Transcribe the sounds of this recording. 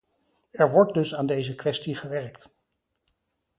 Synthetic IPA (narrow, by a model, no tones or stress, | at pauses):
ɛɹʋɔɹt̚dɵsaːndejzəkʋɛstiχəʋɛɹkt